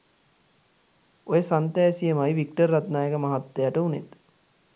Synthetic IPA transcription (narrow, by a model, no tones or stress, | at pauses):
ojəsant̪ɛːsijəmajʋik̚ʈərːat̪naːjəkəmaɦat̪ːejaʈəunḛt̪